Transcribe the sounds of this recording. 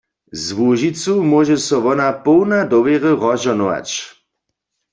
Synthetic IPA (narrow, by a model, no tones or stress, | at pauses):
zʋuʒit͡sumɔʒɛsɔʋɔnapɔwnadɔʋjɛʁəʁɔʒɔnɔʋa̰t͡ʃ